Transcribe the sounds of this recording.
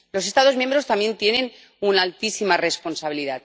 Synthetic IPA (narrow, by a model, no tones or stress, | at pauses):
lo̞s̬e̞st̪aðo̞zmjembɾo̞st̪amje̞nt̪je̞nẽ̞n | unaːlt̪isimare̞spo̞nsaβiliðat̪